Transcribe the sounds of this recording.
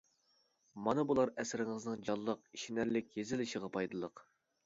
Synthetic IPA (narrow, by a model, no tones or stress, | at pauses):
mɑnɨbulˠɑɾɛsɪɾɪŋɨznɨŋd͡ʒɑlˠːəqiʃinæɾlɪkʲjezɪlɪʃəʁɑpʰɑjd̪ɨlˠəq